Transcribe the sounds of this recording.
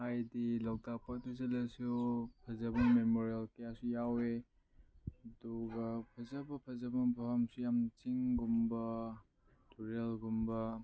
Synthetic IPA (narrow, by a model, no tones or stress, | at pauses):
hajdilaw̚dak̚patuzɐlɐsupʰɐzɐbɐmemoɾijɐlkɐjasujawe | ɐduɡɐpʰɐzɐbɐpʰɐzɐbɐbɐɦɐmsujamt͡ʃiŋɡumbɐ | tuɾelɡumbɐ